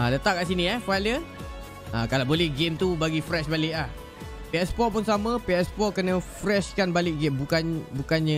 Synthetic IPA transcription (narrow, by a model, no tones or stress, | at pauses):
alət̪aʔ̚kaʔs̬inĩɛhfajlə | akalabolɛhɡemt̪ubaɡifɾɛʃbalɪʔlah | peɛspɔpunsamə̃piɛspɔkənəfɾɛʃkanbalɪʔ̚ɡembukanbukanɲə